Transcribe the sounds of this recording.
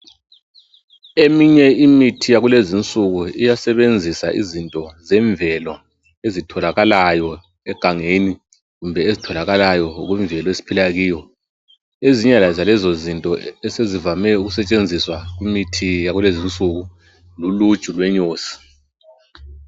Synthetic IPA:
emiɲɛimitʰijaɣulezint͡sʼuɣuijasɛβend͡zʱisa̰ʔḭzintʼɔzɛɱvʱɛlɔ | ezitʰɔlaɣalajɔ | ɛɡ̥ʱaŋeni | ɣumbʱɛezitʰɔlaɣalajɔɣwiɱvʱɛlɔezi̥pʰilaɣiːjɔ | eziɲɛlazalɛzozintʼɔɛsezivamɛuɣusɛt͡ʃʼend͡zʱiswaɣwimitʰijaɣulezint͡sʼuɣu | luludt͡ʃʼulwɛɲoːsi̥

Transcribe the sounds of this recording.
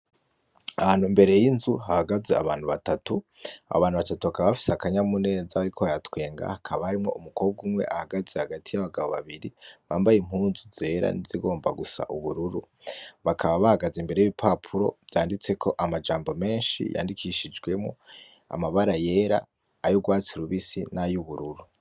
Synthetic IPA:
ahaːn̥humbe̞ɾe̞jinzuɦahaɡazea̰βaːn̥huβatatu | a̰βaːnhuβatatuβakaβaβafi̥seakaɲamune̞ːzaβaɾikʰo̞ajatwe̞ːŋɡa̰hakʰaβahaɾimŋo̞̰ʔumuko̞ːb̚ɡumŋe̞̰ʔahaɡazehaɡatʰijaβaɡaβoβa̰βiɾiβaːmbajim̥huːnzuze̞ːɾa̰niziɡo̞ːmbaɡusa̰ʔuβuɾuɾu | βakʰaβaβahaɡazembe̞ɾe̞jiβipʰapʰuɾo̞̰bjaːndit͡se̞kʰo̞ʔamad͡ʒaːmbo̞me̞ːnʃḭja̰ːndikʰiʃid͡ʒɡwe̞mŋo̰ | a̰maβaɾaje̞ːɾa̰ː | joɡwaːt͡siɾuβisinajuβuɾuɾu

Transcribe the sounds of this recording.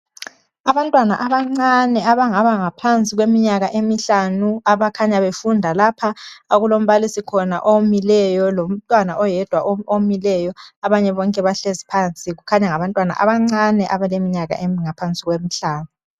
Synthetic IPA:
aβantʼwanaʔaβaŋ͡ǀanɛaβaŋaβaŋapʰant͡sʼiɣwemiɲaɣaʔemiɬanuaβakʰaɲaβefundʱalapʰaaɣulom̩βalisikʰɔna̰ʔomilɛjɔlom̩tʼwanaʔɔjɛd̥ʱwaʔoomilɛjɔaβaɲɛβɔŋkʼɛβaɬezipʰant͡sʼiɣukʰaɲaŋaβantʼwana̰ʔa̰βaŋ͡ǀanɛʔaβalemiɲaɣa̰ʔemiŋapʰant͡sʼiɣwemiɬaːnu

